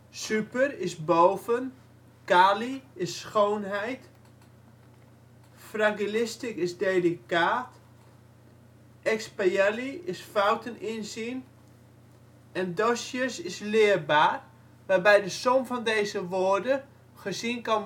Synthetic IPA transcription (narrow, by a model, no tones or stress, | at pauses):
sypərɪsboːvən | kaːliɪsːxoːnɦɛjt | fraŋɡilɪstikɪsdeːlikaːt | ʔɛkspajɛliɪsfawtənɪnsin | ɛndɔsjəsɪslɪːərbaːr | ʋarbɛjdəsomfɔndejzəʋoːərdə | χəsinkɔn